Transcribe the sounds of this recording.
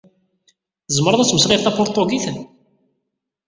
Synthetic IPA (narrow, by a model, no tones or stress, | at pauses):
θəzməɾˤɑðˤæt͡sːməsʁɪɾθæpʊɾt̪ˤoɡiθən